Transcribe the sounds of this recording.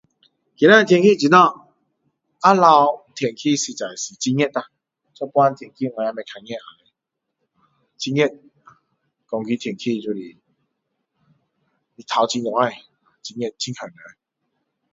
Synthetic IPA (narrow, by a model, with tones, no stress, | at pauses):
ki˨˦nã˦˨˧t̪ʰjɛ˨ŋkʰi˦˨t͡ɕi˨˧nɔ˥˧˨ | a˦la˧wt̪ʰjɛ˨˩ŋkʰi˥˧˨si˧t͡sa˨˩jsi˨˩t͡ɕi˧ŋɲɛ˦˧˩ta˨˧ | t͡sɔ˦˧˦pwa˦nt̪ʰjɛ˨˩ŋkʰi˧˨ŋwã˧˨a˧me˨˧˩kʰa˧ŋɛ̃˥˧˨ta˨˩e˨˧ | a˨ | t͡ɕi˧ŋɛ˥˧˩t̚ | kɔ˧ŋki˦t̪ʰɛ˨˩nkʰi˧t͡ɕu˧li˨ | i˨t̪ʰa˧˩wt͡ɕi˧ŋjɔ˨ŋa˧˩j | a˨˩t͡ɕi˧ŋɛ˥˧t̚t͡ɕi˧˦nkʰə˨˩nə˨˦˨